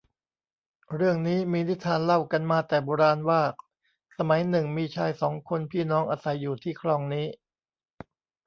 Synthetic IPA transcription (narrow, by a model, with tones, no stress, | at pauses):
ɾɯ˥˩əŋniː˦˥miː˧ni˦˥t̪ʰːaː˧nla˥˩wka˧nmaː˧t̪ɛː˨˩boː˧ɾaː˧nwaː˥˩ | sa˧ma˩˦jnɯ˨˩ŋmiː˧t͡ɕʰaː˧jsɔː˩˦ŋkʰo˧npʰiː˥˩nɔː˦˥ŋʔaː˧sa˩˦jːuː˨˩t̪ʰiː˥˩kʰlɔː˧ŋniː˦˥